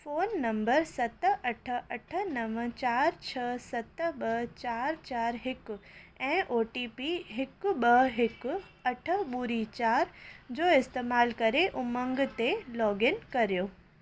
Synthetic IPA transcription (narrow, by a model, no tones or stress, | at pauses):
foːnːɐ̃mbəɾsɐt̪ɐʈʰə̆ɐʈʰə̆nɐʋt͡ɕaːɾt͡ɕʰɐsɐt̪əɓɐɦt͡ɕaːɾt͡ɕaːɾɦɪkɛ̃ːʔoːʈipiɦɪkɓɐɦɦɪk | ɐʈʰə̆ɓuɾit͡ɕaːɾd͡ʑoːɪst̪eːmaːlkɐɾeʔʊmə̃ŋɡ̆t̪elɔːɡɪnkɐɾijoː